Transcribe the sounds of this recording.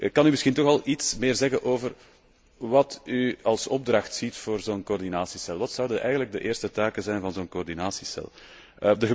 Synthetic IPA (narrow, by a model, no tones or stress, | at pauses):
kɑnymɪsxintɔxɑlˠitsmɪːrzɛɣənʔoːvər | ʋɑtyɑlˠsɔb̚drɑxtsitfoːrzoːnkoːrdinaːsisɛlˠʋɑtsʌwdənʔɛjɣənləɡ̚dəʔeːrstətaːkəzɛjnvɑnzoːnkoːrdinaːsisɛ̰lˠ | ədəɣə